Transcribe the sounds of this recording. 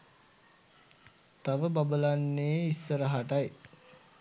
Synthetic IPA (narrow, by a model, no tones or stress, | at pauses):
t̪aʋəbabəlanːeːisːəɾəɦaʈaj